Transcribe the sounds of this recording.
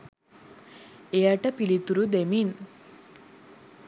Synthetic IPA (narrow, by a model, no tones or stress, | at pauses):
eɐʈɐpilit̪uɾud̪emin